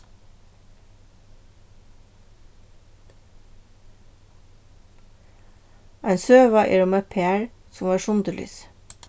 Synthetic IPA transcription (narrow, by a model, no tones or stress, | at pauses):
æɪnsøːʋɑʔḭːɾʊmɛpʰeːæɹsʊmʋɑːʃʊnd̪əly̰ːs